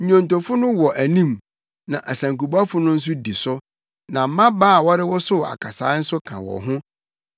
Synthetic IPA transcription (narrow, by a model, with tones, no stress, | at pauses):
ɲɔ̃˨n˨tɔ˨fʊ˦nʊ̃˦wɔ˨ʔæ˨nĩ˦˨m | nã˨ʔæ˨sæ̃˨ŋku˨ba˦fʊ˦nʊ̃˦n̩˦s̬ʊ˦di˨sʊ˦ | nã˨m̩˦mã˦baː˦˨wɔ˦ɾɪ˦wɔ˦sʊ˦˨a̰˨kʰa˨sa̰ː˨˦n̩˦sʊ˦kʰã̰˨wɔ̰˨ɦʊ̃˦